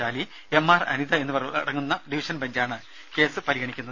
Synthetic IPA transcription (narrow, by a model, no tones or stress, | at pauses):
aːli | e̞mːaːrɐ̰niðɐe̞nːupɐɽɐŋːunːɐɖiʋiʂɐnbɐɲd͡ʑaːɳɨ | ke̞ːsɨpɐɾiɣɐɳikʲːunːɐðɨ